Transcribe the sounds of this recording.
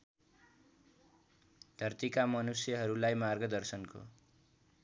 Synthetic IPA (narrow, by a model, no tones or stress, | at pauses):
d̪ʱʌrt̪ikamʌnusjʌɦʌɾulajmarɡʌd̪ʌrsʌnko̰